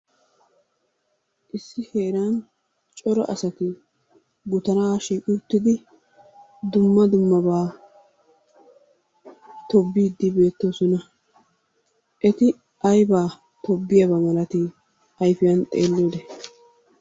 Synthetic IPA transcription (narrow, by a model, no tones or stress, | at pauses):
ʔɪsːɪhe̞ːɾan | t͡ʃʼɔɾɔʔɐsɐt̪ɪ | ɡʊt̪ɐnaːʃiːkʼɪt̪ːɪd̪ɪ | d̪ʊmːɐd̪ʊmːɐbaː | t̪ɔbːiːd̪ːɪbe̞ːt̪ːoːsɔnɐ | ʔɛt̪ɪ | ʔɐjbaː | t̪ɔbːɪjɐbɐmɐlɐt̪ɪ | ɐjfɪjɐnt̪ʼeːlːoːd̪ɛ